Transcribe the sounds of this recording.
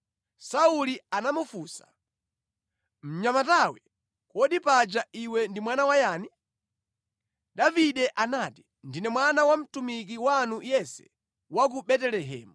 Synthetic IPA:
saulianamufusḁ̰ | m̩ɲamatawɛ | kɔɗipad͡ʒaiwɛndimwanawajaːni | ɗaviɗɛʔanati̥ | ndinɛmwanawam̩tumik̬iwanujɛsɛ̥ | wak̬uɓɛtɛlɛɦɛ̰ːmu

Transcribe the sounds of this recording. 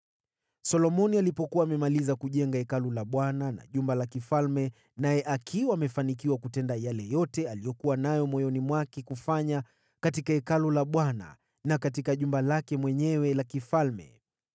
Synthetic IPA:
sɔlɔmɔnialipɔkuwaːmɛmalizakuʄɛŋɡaɛkalulaɓwanana̰ʄumbalakifalmɛ | najɛʔakʰiwaːmɛfanik̬iwakutɛndajalɛjɔtɛalijɔkuwanajɔmwɔjɔnimwakɛkufaɲa | katikaɛkalulaɓwana̰ | nakat̬ikaʄumbalakɛmwɛɲɛwɛlakifalmɛ̰

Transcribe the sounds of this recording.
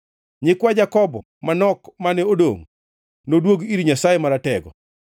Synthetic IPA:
ɲɪkwad͡ʒakɔbɔ̰ | manɔkmanɛodo̰ŋ | nodwoɡiɾiɲasajemaɾatɛɡɔ

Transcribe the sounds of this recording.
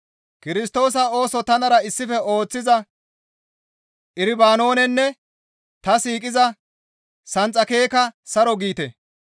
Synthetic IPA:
kɪɾɪs̬t̪o̞ːs̬ɐo̞ːsɔt̪ɐnɐɾɐɪsːɪfɛo̞ːt͡sːɪzɐ | ʔɪɾɪbaːno̞ːnɛnːɛ | t̪ɐsiːkʼɪzɐ | sɐnt͡sʼːɐke̞ːkɐsɐɾɔɡiːt̪ɛ̰

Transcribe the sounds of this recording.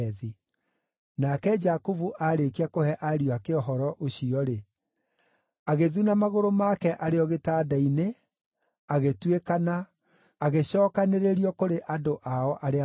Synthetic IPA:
ði | nakɛd͡ʒakovuʔaɾekiakohɛʔaɾiwakeɔɦɔɾɔʔoɕiɔɾe | aɣeðunamaɣoɾomakɛʔaɾeɔɣetaːdaine | aɣetwekana | aɣeɕɔːkaneɾeɾiɔkoɾeʔadoʔaɔʔaɾe

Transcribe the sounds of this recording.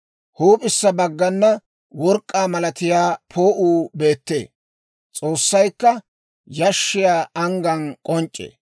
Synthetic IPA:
huːpʼɪsːɐbɐɡːɐnːɐ | wɔɾkʼːaːmɐlɐt̪ɪjaːpʰoːʔuːbe̞ːt̪ːḛː | t͡sʼo̞ːsːɐjkːɐ | jɐʃːɪjaːɐŋɡɐnkʼɔnt͡ʃʼːḛː

